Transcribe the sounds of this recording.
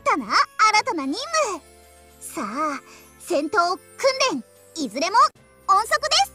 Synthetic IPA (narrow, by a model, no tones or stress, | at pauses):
t̪anaːɾat̪anaɲ̟ĩmːɯ | saː | sẽ̞nt̪o̞ːkɯ̟̃nd̪ẽ̞ŋ | izɨɾe̞mo̞ | õɰ̃so̞kɯ̟d̪e̞sɨ̥